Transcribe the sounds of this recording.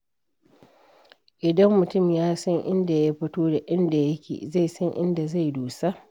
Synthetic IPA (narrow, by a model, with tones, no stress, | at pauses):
ʔɪ˨dɐ˦mːʊ˨tʊ˦˨mjaː˦sɐ˦ŋʔɪ˦nda˨ja˦ɸɪ˦toː˦da˨ʔɪ˦nda˨jɐ˦kʲḛː˨za˦˨jsɐ˦ŋʔɪ̰˦nda˨za˦˨jduː˨sa˦ʔ